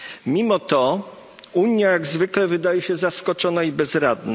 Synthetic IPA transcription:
mʲimɔt̪ɔ | uɲjajaɡzvɘklɛvɘd̪ajɛɕɛzaskɔt͡ʂɔnaibɛzɾad̪nɛ

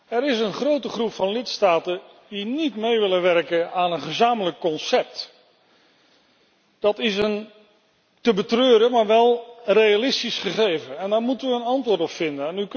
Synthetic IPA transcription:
ɛɾɪsənχrowtəχrupfɑnlɪtstaːtən | dinitmejʋɪlənʋɛrkənaːnənχəzaːmələkːɔnsɛp̚t | d̥ɑtɪsən | təbətrøːɾəmaːɹʋɛlˠrejalɪstisχəχejvənɛndaːɹmutənʋəːnɑntʋʊːɹtɔpfɪndənɛnyk

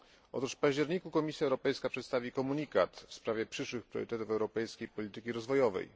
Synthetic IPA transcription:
ɔ̰t̪uʂfpaʑd͡ʑɛɾɲikukɔmʲisʲjaɛwɾɔpɛjskapʂɛt̪st̪avʲikɔmuɲikat̪fspɾavʲjɛpʂɘʂwɘxpɾʲjɔ̰ɾɘ̰t̪ɛt̪ufɛwɾɔpɛjskʲejpɔlʲit̪ɘkʲiɾɔzvɔjɔvɛ̰j

